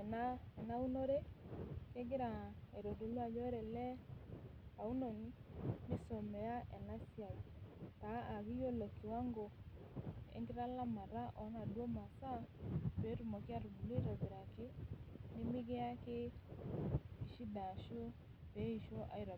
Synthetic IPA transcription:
ɛ˨na˦ɛ˨na˦u˦no˦ɾe˦ke˦ɡɪ˦ɾa˨e˨ɾo˨do˨lwa˦d͡ʒɔ˦ɾe˨lɛ˦ | a˨u˦no˨ni˦mɪ˦so˨me˨ja˦ɛ˨na˦sja˨taː˨˦˨βi˦jo˦lo˨ki˨wa˦ŋɡo˨ | ḛ˨ŋɡɪ˦ɾa˦la˦ma˨ɾa˦ʔɔ˨˦na˨dwo˦ma˨sa˦pe˨˦ɾu˨mo˨kɪ˦a˦ɾu˨bu˨li˦ɾa˨βi˨ɾa˨kɪ˦nɪ˦mɪ˦ɡe˦a˦ke˦ | i˨ʃi˦da˨ʃo˦ | pe˨˦i˨ʃo˦ʔa̰˨i˦ɾa˨

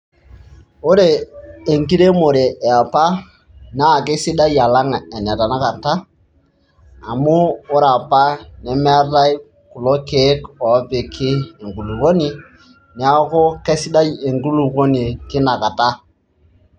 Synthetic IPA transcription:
o˦ɾeː˨ŋki˦ɾe˦mo˨ɾe˨ʔɛ˨a˨pa˦ | na˦˨ke˦sɪ˦da˦ja˨la˦ŋɛ˨nɛ˨ta˨na˦ka˨ta˦ | a˨mʊː˦ɾa˨pa˦nɛ˨mɛ˦ra˦j | kʊ˨lo˦ke˨˦kɔ˨˦pe˨kʰɪ˦e˨ŋɡu˨lu˨ko˦nɪ˦ | nɛ˨˦a˦ko˦ke˦sɪ˦da˦je˨ŋɡu˦lu˨ko˦ni˨kɪ˦na˨ka˨ta˦

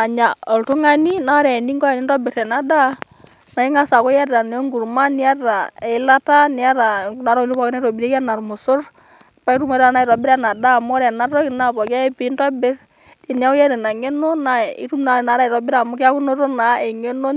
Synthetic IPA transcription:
a˨ɲa˨ɔ˨lto˦ŋa˦ni˦na˦ɾɛ˨ni˦ŋɡɔ˦a˨ni˦ndɔ˦bɪ˨ɾɛ˨na˨da˦ | na˨i˦ŋa˦sa˨kɔ˦jɛ˦ra˨n˨ɔ˦ŋɡu˨ɾma˦ni˦a˦ra˨ɛ˨˦la˦ta˦ni˨a˦ɾa˨na˨ɾa˦˨li˦pɔ˨˦kɪ˦na˦ɾɔ˨biɾe˦ka˦na˨rmʊ˨sʊ˦r | pa˦i˦ɾu˦ma˨˦ɾa˨na˦i˨ɾɔ˨bɪɾɛ˦na˨da˦˨mɔ˦ɾɛ˨na˦ɾɔ˦ki˨na˦pɔ˨ka˦ɛ˦pi˨˦ndɔ˦bɪ˦r | di˨ni˨a˦wjɛ˦ɾɛ˨na˨ŋe˦no˦na˨ḭ˦ɾu˦na˨na˨˦ɾa˦i˨ɾɔ˨bɪ˦ɾa˨mʊ˦ka˦ku˦no˦to˦na˨e˨ŋe˦no˦

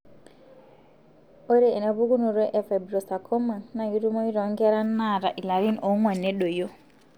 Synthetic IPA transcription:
o˦ɾe˦˨e˨na˨βu˦ɡu˦nu˨ɾɔ˦ʔɛ˨fɛ˨bɾo˨sa˨kʰɔ˦ma˨na˨ɡi˨˦ɾu˦mo˦i˦ɾɔ˨˦ŋɡɛ˦ɾa˦nːa˦˨ɾa˨ʔi˨la˨ɾi˦no˨˦ŋwa˨nːe˦ɗo˨jo˦

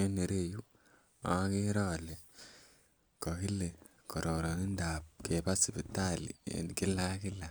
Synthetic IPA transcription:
e˦ne˨ɾe˦˨ju˦ | a̰˨˦ke˦ɾɔː˦˨le˨ | kɔ˨ki˦le˨ | kɔ˨ɾʔɔ˨ɾɔ˨ni˦nda˨p̚ke˨pa˦si˨bi˨ta˦˨lḭ˨ḛ˨nki˦la˦kɪ˦la˨

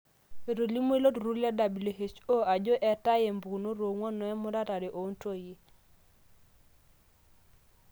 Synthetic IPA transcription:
e˨ɾo˨li˦mo˦e˦lo˦tɾu˦lɛ˦da˨bi˨lo˨ɦe˨t͡ʃo˦a˨d͡ʒo˦ʔɛ˨ta˦je˨mbu˨no˦ɾo˨ŋwɔ˦nɔ˨˦ɛ˦mʊ˦ɾa˦ta˨de˨ʔo˨˦nto˦ji˦

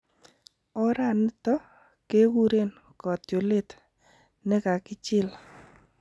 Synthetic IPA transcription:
ɔ˦ɾa˦˨nɪ˦t̪ɔ˦ | ke˦ɣu˦ɾe˦n | kɔ˨t̪jo˨le˦˨t̪ | nɪ˦ka˨kɪ˦t͡ʃɪ˦˨l

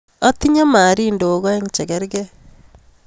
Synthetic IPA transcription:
ɔ˦t̪i˦ɲa˦maː˨ɾi˦ndo˨˦ɣɔ˦e˦ŋt͡ʃɛ˨ɡɛ˦ɾɡɛ˦

